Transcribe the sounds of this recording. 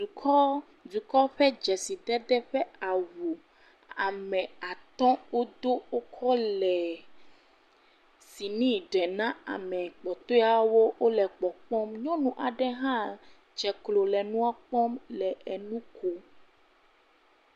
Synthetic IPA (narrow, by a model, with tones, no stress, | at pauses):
u˨kɔ˦ | du˨kɔ˦ɸɛ˦d͡ʒɛ˨si˨t̪ɛ˦d̪ɛ˦ɸɛ˦a˨wu˨ | a˨mɛ̃˨a˨t̪ɔ̃˦wo˦d̪o˦wo˦kʰɔ˦lɛ˨ | si˨nĩ˦ɖɛ˨nã˦a̰˨mɛ̃˨k͡pɔ˨t̪o˦a˨wo˦wo˦lɛ˨k͡pɔ˨k͡pɔ˦mɲɔ̃˦nũ˦ʔa˨ɖɛ˦ɦã˦ | d͡ʒɛ˨klo˨lɛ˨nũ˦a˦k͡pɔ˦mlɛ˨e˨nũ˦kʰo˦